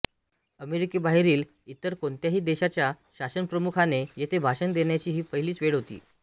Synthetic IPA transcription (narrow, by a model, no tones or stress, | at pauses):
əmeɾikibaɦeɾiːl | it̪əɾkoɳt̪jaɦiːd̪eɕat͡ɕja | ɕasənpɾəmukʰanejet̪ʰebʱaɕənd̪eɳjat͡ɕiːɦiːpəɦiliːt͡sʋeɽɦot̪ḭː